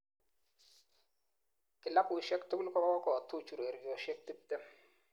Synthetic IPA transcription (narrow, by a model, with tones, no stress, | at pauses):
kɪ˨la˦kʊ˨ʃɛ˦ktʊ˦ku˦lkɔ˦a˦kɔ˦kɔ˨tu˦t͡ʃu˨ɾe˨ɾjɔ˨ʃɛ˦k̚tɪ˦p̚tːɛ˦